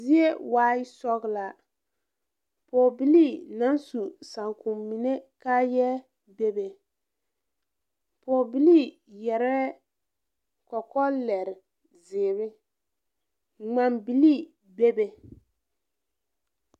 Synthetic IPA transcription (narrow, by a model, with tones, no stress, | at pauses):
zi˦e˦waː˦ɪ˦sɔ˦ɣla˨ | poː˨bi˦li˦˨na˦nsu˨sa˨ŋku˨mmi˨ne˦ka˦jɛ˦ | be˦be˨ | poː˨bi˦li˦˨ | jɛ˨ɾɛ˦ | kɔ˨kɔ˦lɛ˨ɾɪ˨ | zɪː˨βɪ˦ | ŋ͡ma˨mbi˨li˦ | be˦be˨